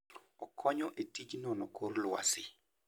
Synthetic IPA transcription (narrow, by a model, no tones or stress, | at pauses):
ɔkʰɔɲɔʔetid͡ʒnɔnɔkorlwa̰sɪ